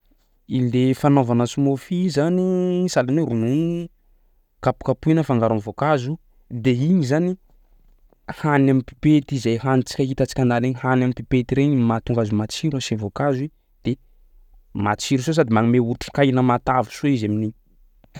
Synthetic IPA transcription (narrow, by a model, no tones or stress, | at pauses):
id̪efanovanəsumofizanisalaniɾunu | kapu̥kapuinəfaŋɡaɾanvokazu | d̪eiɲizani | hanamipi̥pet̪izajhanit͡si̥kʲəɦit̪at͡si̥kʲand̪aleɲihanamipipet̪iɾeɲimat̪uŋɡazumat͡siɾuasevokazi | d̪̥e | mat͡ʃiɾusos̬ad̪imaŋimeuɾʈ͡ʂu̥kajnəmat̪avu̥soizaminiɲ